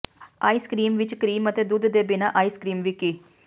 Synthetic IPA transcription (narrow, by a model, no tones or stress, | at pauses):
aːiːskɾiːmʋɪt͡ʃkəɾiːmət̪eːd̪ud̪d̪eːbɪnaːʔaːiːskɾiːmʋiːkiː